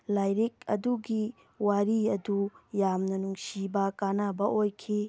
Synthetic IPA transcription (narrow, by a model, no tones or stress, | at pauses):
lajɾik̚ɐ̰duɡi | waɾiɐdujamnɐnuŋsibɐkanabɐʔojkʰi